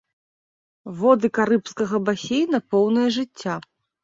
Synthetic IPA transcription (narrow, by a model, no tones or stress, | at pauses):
vɔd̪ɨkaɾɨpskɐɣɐbasʲejnɐpɔwnɨjɐʐɨt͡sʲːa